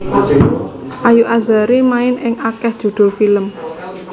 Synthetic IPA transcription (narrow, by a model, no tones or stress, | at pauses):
ʔajuʔazaɾimaɪnɪŋakɛhd̥ʒ̥ṳd̪̥ʊ̤lfiləm